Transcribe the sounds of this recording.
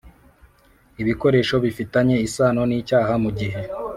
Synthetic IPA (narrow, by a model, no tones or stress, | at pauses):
iβiko̞ɾe̞ːʃo̞βifitaɲe̞isaːno̞niːcaːɦamuɟiɦe̞